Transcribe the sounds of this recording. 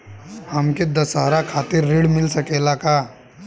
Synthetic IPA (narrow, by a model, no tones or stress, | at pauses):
hɐmked̪ɐsaːɾakʰaːt̪ɪɾːeːɽmɪlsɐkeːlakaː